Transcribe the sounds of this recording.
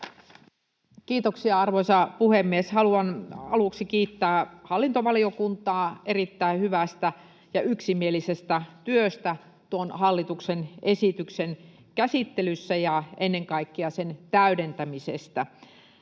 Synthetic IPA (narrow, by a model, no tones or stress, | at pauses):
kiːt̪oksiɑɑrʋoisɑpuhemːieshɑluɑnɑluksikiːt̪ːæːhɑlːint̪oʋɑliokunt̪ɑːʔerit̪ːæihyʋæst̪æ | jɑyksimielisest̪æt̪yøst̪æ | t̪uonhɑlːit̪uksenesit̪yksen | kæsit̪ːelysːæjɑenːeŋkɑikːiɑsent̪æyɾent̪æmisest̪æ